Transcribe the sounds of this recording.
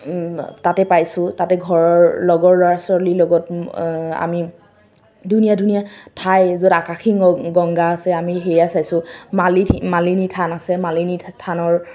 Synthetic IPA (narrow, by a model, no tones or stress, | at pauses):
tatɛpajsʊtatɛɡʱɔɹɔɹlɔɡɔɹlɔɹasɔɹlilɔɡɔt̚ | a̰mi | dunijadʱunijatʰajzodakaxʰiŋɡɔŋɡaːsɛamiɦejasajsʊ̃malimalinitʰanasɛmalinitʰanɔɹ